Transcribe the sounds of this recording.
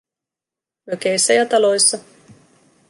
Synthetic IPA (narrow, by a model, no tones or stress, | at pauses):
møkejsːæjɑt̪ɑlo̞jsːɑ